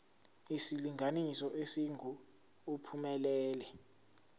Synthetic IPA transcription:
isiliŋʱanisɔʔesiŋu | upʰumɛlɛːlɛ

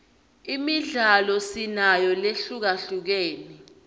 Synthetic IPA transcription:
imiɮalɔsinajɔleɬuk̬aɬuk̬eːni

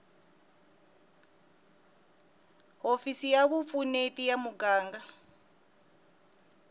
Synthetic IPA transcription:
ɦofisijaβufunetijamuɡaːŋɡa

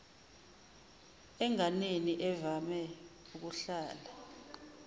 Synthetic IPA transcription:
ɛŋaneniʔɛvamɛ | uk̬uɬaːla

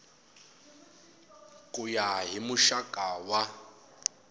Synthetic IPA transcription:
kʼujaɦimʊʃakʼaːwa

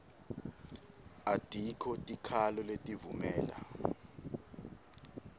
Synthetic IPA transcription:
atʼikʰɔtʼikʰalɔletʼivumɛːla̰

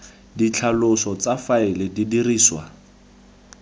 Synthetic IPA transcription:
dit͡ɬʰalʊsɔt͡safaɪlɪdidiriːswa̰

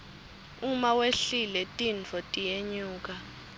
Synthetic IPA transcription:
umaweɬilɛtʼinfɔtʼijeɲuːk̬ʼa

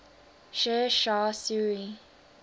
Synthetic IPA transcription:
ʃɛʃaːsuɹi

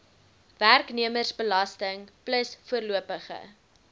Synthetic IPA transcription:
værkniəmərsbəlɐstəŋpləsfuərluəpəχə̰

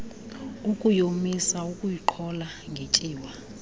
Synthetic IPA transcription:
ukʼujomisaukʼujiǃʰɔlaŋɡʱet͡ʃʼiːwa

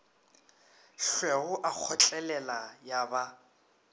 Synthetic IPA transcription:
ɬwɛɣʊʔak͡xʰɔt͡ɬʼɛlɛlajaba

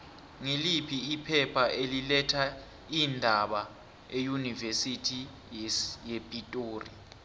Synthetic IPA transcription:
ŋilipʰiːpʰɛpʰaʔelilɛtʰa | indʱaɓa | ejunivesitʰi | jepʼitʼoːri

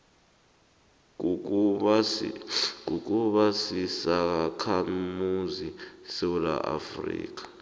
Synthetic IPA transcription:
kuk̬ʼuɓasisakʰamuzisɛwula̰ʔa̰frḭːk̬ḁ

